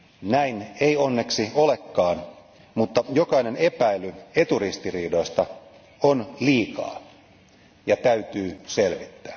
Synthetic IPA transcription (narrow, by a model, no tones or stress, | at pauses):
næineio̞nːe̞ksio̞le̞kːɑːn | mut̪ːɑjo̞kɑine̞ne̞pæilye̞t̪urist̪iriːdo̞jst̪ɑ | onliːkɑ̰ː | jɑt̪æyt̪yːselʋit̪ːæ̥ː